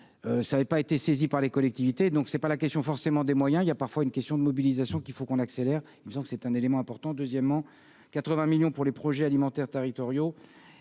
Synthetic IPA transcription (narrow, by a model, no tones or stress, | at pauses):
øsaːɛpaet̪esezipaʁlekɔlɛk̚t̪ivit̪ed̪ɔ̃ksɛpalakʲɛst̪jɔ̃fɔʁsemɑ̃d̪emwajɛ̃iljapaʁfwaynkʲɛst̪jɔ̃d̪əmɔbilizasjɔ̃kʲifokɔ̃nakselɛʁ | ilməsɑ̃bkəsɛt̪ɛ̃nelemɑ̃ɛ̃pɔʁt̪ɑ̃d̪øzjɛmːɑ̃ | kat̪χəvɛ̃miljɔ̃puʁlepχɔʒɛalimɑ̃t̪ɛʁt̪eʁit̪ɔʁjo